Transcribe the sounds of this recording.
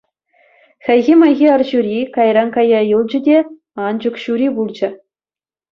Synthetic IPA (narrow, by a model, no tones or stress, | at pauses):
xʲɘ̆jɣʲimɑjɣʲiɑrʑuɾʲikɑjrɑnkɑjɑjɯlˠd͡ʑɘ̆dʲe | ɑnd͡ʑukɕuɾʲibulˠd͡ʑɘ̆